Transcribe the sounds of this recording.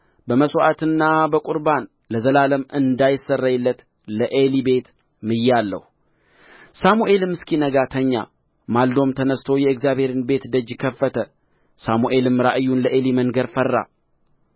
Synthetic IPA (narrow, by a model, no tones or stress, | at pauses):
bəməsʼoʔat̪ɨnːabəkʼuɾban | ləzəlaləmɨnd̪ajɪsːərːajɪlːət̪ | ləʔelibe̞t̪ | mɨjalːə̰h | samuʔe̞lɨmːɨskʰinəɡat̪ʰəɲːa̰ | mald̪o̞mt̪ʰənəst̪ʰo̞jɛɨkzjaβhe̞ɾɨnbe̞t̪d̪əd͡ʒːɪkʰəfːət̪ʰə | samuʔe̞lɨmɾaʔɨjːunləʔe̞liməŋɡəɾfərːa̰